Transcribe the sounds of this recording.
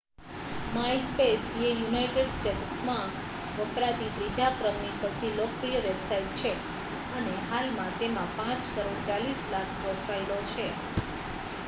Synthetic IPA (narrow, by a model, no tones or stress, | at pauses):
maispesejunaiʈeɖsʈeʈsmã | ʋəpɾat̪id̪ɾid͡ʒapɾəmnisəwt̪ʰilokpɾijəʋebsaiʈ̚t͡ʃʰe | əneɦalmãt̪emãpãt͡ʃkəɾoɽt͡ʃalislak̚ʰpɾofʰɾailot͡ʃʰe